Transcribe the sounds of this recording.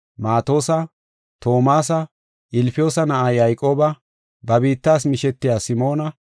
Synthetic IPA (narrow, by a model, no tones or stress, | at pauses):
maːt̪o̞ːsɐ | t̪o̞ːmaːs̬ɐ | ʔɪlfɪjo̞ːsɐnɐʔajɐjkʼo̞ːbɐ | bɐbiːt̪ːaːsmɪʃɛt̪ːɪjaːsɪmo̞ːnɐ